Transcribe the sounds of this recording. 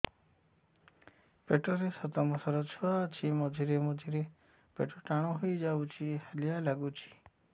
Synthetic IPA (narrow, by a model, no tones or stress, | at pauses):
peʈoɾesɔt̪amɔsəɾɔt͡ʃʰɔat͡ʃʰimɔd͡ʒʱiɾemɔd͡ʒʱiɾe | peʈoʈaɽ̃õɦoid͡ʒaut͡ʃʰihəlijalaɡut͡ʃʰi̥